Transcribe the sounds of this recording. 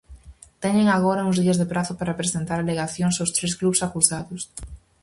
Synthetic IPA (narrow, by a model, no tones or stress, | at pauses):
t̪ɛɲeŋaɣɔɾɐuŋzðiɐzðepɾaθʊpaɾapɾesent̪aɾaleɣaθjoŋsawst̪ɾesklusakusaðʊs